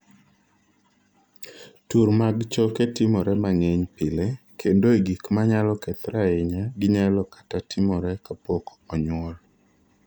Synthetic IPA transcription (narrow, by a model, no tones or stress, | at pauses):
tuɾmaɡt͡ʃɔketɪmɔɾɛmaŋeɲpɪlekʰendoeɡikmaɲalɔkɛt̪ɾaɪɲaɡɪɲaɛlɔkḁtatɪmɔɾɛkapok | ɔɲwɔl